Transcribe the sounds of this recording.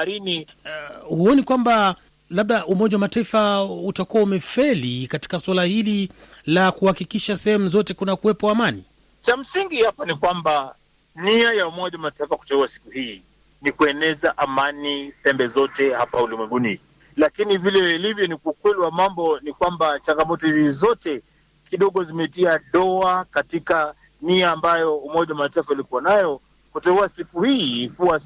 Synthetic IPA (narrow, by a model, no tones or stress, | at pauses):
ɾini | huɔnikwamba | laɓ̚ɗaʔumɔʄawamataifautakuwaumɛfɛlikati̥kaswalahililakuhakikiʃasɛhɛmuzɔtɛkunakuwɛpɔamani | t͡ʃam̩siŋɡihapɔnikwamba | niajaumɔʄawamataifaku̥tɛuasi̥kuhiː | nikuɛnɛzaʔamanipɛmbɛzɔtɛhapaulimwɛŋɡuni | lakinivilɛilivjɔnikuːkwɛliwamambɔnikwambat͡ʃaŋɡamɔtɔizɔtɛ | kiɗɔɠɔzimɛtiaɗɔakatika | niaːmbajɔumɔʄawamataifaulikuwanajɔ | kutɛuasikuhiːkuwa